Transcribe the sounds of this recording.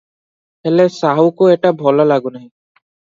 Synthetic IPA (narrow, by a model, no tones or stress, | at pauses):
hɛlɛsaɦukoɛʈabʱɔlɔlaɡunaĩ